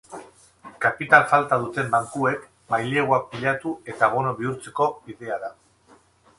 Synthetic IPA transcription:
kapit̪alfalt̪að̞ut̪e̞mbaŋkue̞k | majle̞ɣwak̚piʎat̪ue̞t̪aβ̞o̞no̞βiuɾt͡se̞ko̞iðe̞aða

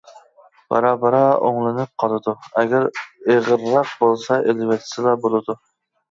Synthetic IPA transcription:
b̥ɑ̰ɾɑːbɑɾɑo̰ŋlˠɨnɨp̚qʰɑlˠɨd̪uɛɡʲæɾeʁəɾːɑq̚bolˠsɑʔelvɛt̪ʰɪ̥sɪlˠɑbolˠɨd̪u

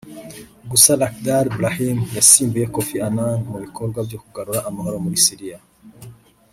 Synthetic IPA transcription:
ɡusalakdaɾbɾahimjasiːmbujekofiananmuβikʰoɾɡwabjokuɡaɾuɾaʔamahoɾo̞muɾisiɾija

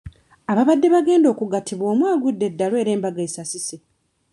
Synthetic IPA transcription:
aβaβadːe̞βaɡe̞ːndo̞ːkuɡatʰiβwo̞ːmwaːɡudːe̞dːalwe̞ːɾe̞ːmbaɡaisasise

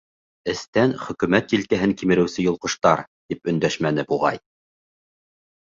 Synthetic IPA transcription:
ɘ̆st̪ænχɵ̆kɵ̆mæt̪̚kilkæɦɘŋkimɘ̆ɾɘ̆wsɘjŏlˠqɤ̆ʃt̪ɑɾt̪ipɵ̆nd̪æʃmæn̪ɘbuʁɑ̰j

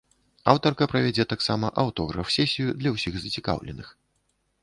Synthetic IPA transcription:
awt̪ɐrkɐpɾɐvʲɛd͡zʲɛt̪aksamɐʔɐwt̪ɔɣɾɐfsʲɛsʲijud̪lʲɐwsʲiɣzɐt͡sʲika̰wlʲɛ̰nɨx

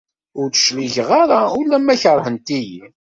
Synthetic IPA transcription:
ʊɾθə̥ʃliʝʁaɾˤaulːæmːæçəɾˤhənt̪iji

